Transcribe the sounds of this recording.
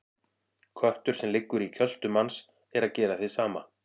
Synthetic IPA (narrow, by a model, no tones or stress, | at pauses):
kʰœht̪ʏɾ̥sɛmlɪkːʏɾicʰœl̥t̪ʏmans | ɛɾaðcɛːɾaθɪsaːma